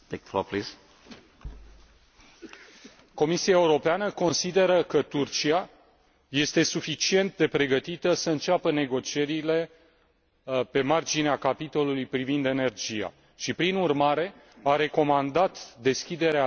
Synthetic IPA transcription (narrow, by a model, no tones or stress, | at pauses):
eko̰plis | ko̞misiaeuɾo̞peanəko̞nsid̪e̞ɾəkət̪urt͡ʃia | je̞st̪e̞sufit͡ʃie̞nt̪̚d̪e̞pɾe̞ɡət̪it̪əsəɨnt͡ʃapəne̞ɡo̞t͡ʃie̞ɾile̞ | pe̞mard͡ʒineakapit̪o̞lulujpɾivind̪e̞ne̞rd͡ʒija̰ | ʃipɾinurmaɾe̞ | aɾe̞ko̞mand̪at̪d̪e̞skʲid̪e̞ɾea